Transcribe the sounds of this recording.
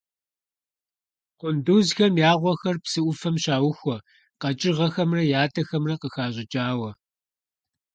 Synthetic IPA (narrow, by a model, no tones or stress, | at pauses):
qʷʊnduːzxɐmjaːʁʷɔxɐrpsɨʔʷʊfɐmɕaːwʊxʷɔ | qɐt͡ʃʼɪʁɐxɐmrɐjaːtʰɐxɐmrɐqəxaːɕʼɪt͡ʃʼaːwɐ